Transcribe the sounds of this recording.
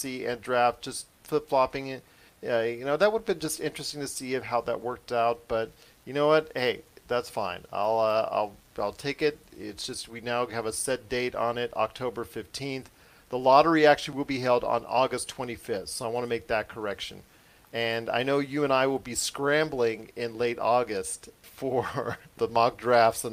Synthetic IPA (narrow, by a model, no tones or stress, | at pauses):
siɨ̃ndɹæft̚d̥ʒ̥ʌst̚ | fʊtflɑpɪ̃ŋɨt̚ | ʌjɨnoʊðɨt̚wʊɾəvbɨ̃nd͡ʒʌstɪ̃nt͡ʃɹ̥ɨstɪ̃ŋtʰɨsiʌv̥ɦaʊðə̰ʔ̚wɜ˞k̚taʊt̚b̥ʌt̚ | jɨnoʊwʌt̚heɪðætsfã̰ɪ̃na̰ɪlˠʌa̰ɪlˠaɪlˠtʰeɪkɪt̚ɪ̰tsd̥ʒ̥ʌst̚winaʊɨvəsɛt̚d̥eɪɾn̩ɪɾɑ̰k̚tʰoʊbə˞fɪftʰĩnθ | ðəlɑɾə˞iæk̚t͡ʃʉl̩ˠiwəlˠbiɦɛlˠdn̩ɔɡɨstʰw̥ɛ̃ɾ̃ifɪfθsoʊaɪwɑ̃nəmeɪk̚ðɨt̚kʰə˞ɛkʃɨ̰̃n | ɨ̃na̰ɪnoʊjɨɨ̃ñaɪwəlˠbiskɹæ̃mbl̩ˠɪ̃ŋɪ̃nleɪɾɔɡɨstfə˞ðəmɑɡ̚dɹæftsə̃